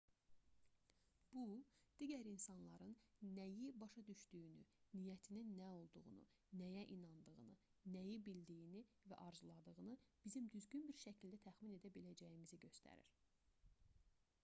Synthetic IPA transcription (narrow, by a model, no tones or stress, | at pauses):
b̥ud̪̥iɟæɾinsɑnlˠɑɾɯnːæjibɑʃɑd̪yʃd̪yjyny̰nijæt̪ʰininːæo̞lˠd̪uɣṵnṵ | næjæʔinɑnd̪ɯɣɯnɯnæjibild̪ijinivæ̰ʔɑɾzulˠɑd̪ɯʁɯnɯb̥izimd̪yzɟynbiɾʃæcʰild̪æt̪ʰæxmine̞d̪æbilæd͡ʒæjimiziɟø̞st̪ʰæ̰ɾḭɾ̥